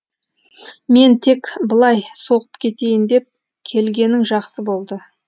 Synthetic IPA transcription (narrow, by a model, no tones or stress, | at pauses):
me̞nt̪ʰe̞kbəlˠɑjso̞ʁəpkʲʰe̞t̪e̞jɪnd̪e̞p̚ | kʲʰe̞lɡʲe̞nɪŋʒɑqsəbo̞lˠd̪ə